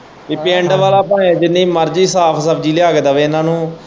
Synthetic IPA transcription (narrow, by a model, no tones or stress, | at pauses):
iːpẽːɳɖʋaːlaːpãːẽd͡ʒɪnːĩːməɾd͡ʒiːsaːpʰsəbd͡ʒiːlɪjaːkd̪aːʋeːɪnãːnũː